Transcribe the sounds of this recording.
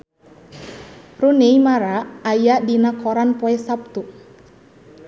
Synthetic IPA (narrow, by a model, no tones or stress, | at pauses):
runeimaɾaːjadinakɔɾanpɔɛsap̚t̪u